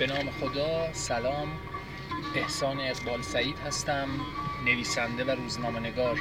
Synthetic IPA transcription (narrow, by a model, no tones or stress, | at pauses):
b̥e̞nɒːmexod̪ɒːsælɒːm | be̞hsɒːniæzbɒːlsæɾiːd̪hæst̪æmne̞viːsænd̪evæɾuːznɒːme̞ne̞ɡɒːɾ